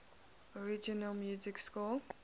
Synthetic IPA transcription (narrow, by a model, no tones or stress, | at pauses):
ɔɹid͡ʒɔnəlmjuːzɪkskul